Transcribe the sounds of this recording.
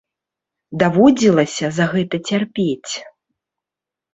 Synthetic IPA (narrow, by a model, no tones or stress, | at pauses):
d̪avɔd͡zʲilˠɐsʲɐzaɣɛt̪ɐt͡sʲarpʲet͡sʲ